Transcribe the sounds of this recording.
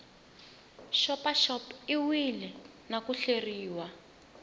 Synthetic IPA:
ʃɔpaʃɔpiwilɛ | nakuɬeriːwa

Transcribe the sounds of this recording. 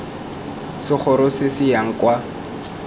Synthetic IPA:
sɪχʰʊɾʊsɪsɪjaŋ̩kwa

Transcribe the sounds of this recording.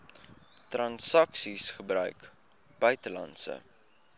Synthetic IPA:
trɐnsɐksisχəbrœ̰ɥk | b̥œɥtəlɐ̰nsə̰

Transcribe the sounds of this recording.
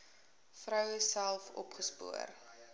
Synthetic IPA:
frœwəsælˠfɔ̰pχəspṵər

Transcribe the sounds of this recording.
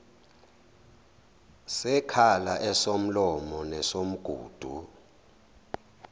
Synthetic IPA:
sɛkʰalaʔɛsom̩lɔmɔnɛsom̩ɡ̥ʱṵːd̥ʱṵ

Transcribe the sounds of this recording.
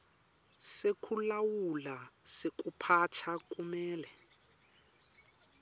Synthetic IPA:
sekʰulawulasek̬ʼupʰat͡ʃʰak̬ʼumɛːlɛ

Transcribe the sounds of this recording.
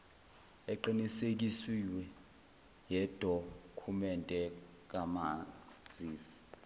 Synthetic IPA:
ɛǃinisek̬iswiwɛ | jɛd̥ʱokʰumɛntʼɛ | k̬amad͡zʱiːsi̥

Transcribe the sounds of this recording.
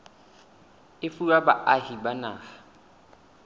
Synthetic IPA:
ɪfulabaʔahibanaːχḁ

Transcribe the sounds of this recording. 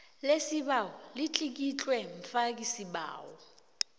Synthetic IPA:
lesiɓawɔlit͡ɬʼik̬it͡ɬʼwɛɱfak̬ʼisiɓa̰ːwɔ

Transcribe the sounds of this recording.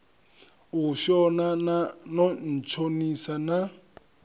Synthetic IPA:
uʃɔnanɔn̩t͡ʃʰonisana

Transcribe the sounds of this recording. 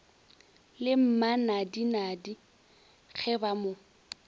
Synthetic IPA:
lɪm̩manadinadi | k͡xʰɛbamo

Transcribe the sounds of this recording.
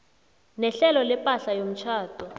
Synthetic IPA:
nɛɬɛlɔlɛpʼaɬajom̩t͡ʃʰaːtʼɔ

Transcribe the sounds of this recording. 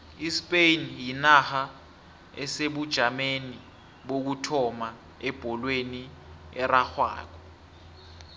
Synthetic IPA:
ispʼejnjinaxa | ɛseɓud̥ʒ̥ʱameni | ɓok̬utʰɔma | ɛb̥ʱɔlweniɛraxwa̰ːk̬ɔ

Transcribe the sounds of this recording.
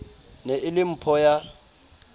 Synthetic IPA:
nɛʔɪlɪm̩pʰɔja

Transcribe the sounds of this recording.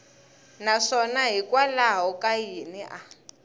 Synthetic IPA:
naʂɔnaɦikʼwalaɦɔkʼainɛʔa

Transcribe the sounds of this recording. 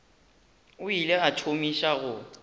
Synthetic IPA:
ʊileat͡ʃʰomiʃaɣʊ

